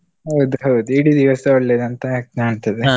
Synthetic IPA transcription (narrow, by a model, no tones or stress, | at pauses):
ɦɐwd̪uɦɐwd̪uiɽid̪iʋɐsɐɔɭːeːd̪ɐnt̪ɐknaːɳt̪ɐd̪e